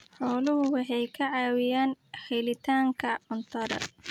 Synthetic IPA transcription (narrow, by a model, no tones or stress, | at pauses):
ħɔːlʊɦʊwɑħɑjkʰɐʕɑːwɪjaːnhɛlɪt̪ʰaːŋkʰɐʕʊnt̪ʰɐɾɐ̰